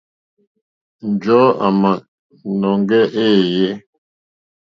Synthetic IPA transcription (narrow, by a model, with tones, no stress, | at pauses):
n̩˨d͡ʒɔ˦a̰˨ma˨ʔ | nɔ˨ŋ˦ɡɛ˦ʔe˦˨je˦